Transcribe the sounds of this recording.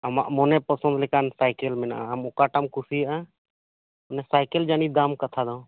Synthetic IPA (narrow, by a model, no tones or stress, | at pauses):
əma̰mɔnɛpəsə̃nd̪lɛkansajkelmɛna̰ɦəmɔkaʈamkusia | ɔnɛsajkeld͡ʒanid̪amkət̪ʰad̪aw̃